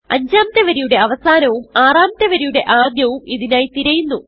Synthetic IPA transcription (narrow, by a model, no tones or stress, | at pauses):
ɐ̰ɲd͡ʑaːmɐt̪ːeʋɐɾijuɽe̞ɐʋɐsaːnɐʋumaːraːmt̪ːeʋɐɾijuɽe̞ʔaːd̪jɐʋumiðinaːjt̪iɾɐjunːu